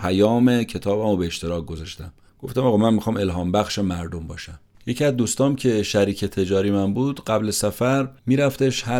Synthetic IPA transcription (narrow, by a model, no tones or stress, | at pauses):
pʰæjɒːmecʰe̞t̪ʰɒːbæmobe̞ːʃt̪e̞ɾɒːk̚ɡozɒʃt̪æm | ɡ̥o̞ft̪æmɒɣɑːmænmixɒːme̞lɦɒːmbæxʃemæɾd̪o̞mbɒːʃæm | je̞cʰiæzd̪uːst̪ɒːmcʰe̞ʃæɾiːcʰe̞t̪ʰe̞d͡ʒɒːɾimænbuːd̪̥ɢæblesæfæɾmiːɾæft̪eʃhæ